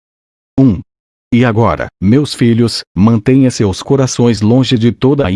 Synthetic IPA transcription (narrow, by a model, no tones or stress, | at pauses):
ũ | ɪaɡɔɾɐ̰mewsfiʎʊsmɐ̃nt̪ẽj̃ɐ̃sewskoɾasõj̃zlõʒɪd͡ʒɪt̪od̪ɐ